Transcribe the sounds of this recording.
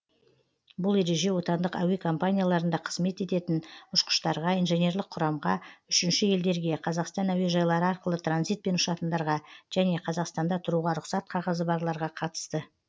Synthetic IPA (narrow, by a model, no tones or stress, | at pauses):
bʊlˠe̞ɾe̞ʒe̞wo̞t̪ɑnd̪əqæ̰we̞kʰo̞mpanʲijalˠɑɾənd̪ɑqʰə̥zme̞t̪e̞t̪e̞t̪ɪnʊʃqə̥ʃt̪ɑɾʁɑijnʒenʲe̞rlˠɪq̚qʰʊɾɑmʁɑʏʃɪnʃɪje̞ld̪e̞ɾɡʲe̞qʰɑzɑqst̪ɑnæwe̞ʒɑjlˠɑɾəɑɾqəlˠət̪ɾanzijt̪̚pe̞nʊʃɑt̪ənd̪ɑɾʁɑʒ̥æne̞qʰɑzɑqst̪ɑnd̪ɑt̪ʰʊɾuʁɑɾʊqsɑt̪̚qʰɑʁɑzəbɑɾlˠɑɾʁɑqʰɑt̪ə̥st̪ə